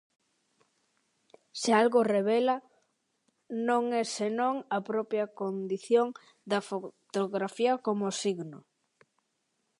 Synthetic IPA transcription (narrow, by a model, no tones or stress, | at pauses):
sealɣoreβ̞elɐ | nõŋɛsenõŋɐpɾɔpjɐkond̪iθjoŋ | d̪ɐfot̪oɣɾafiɐkomosiɣnʊ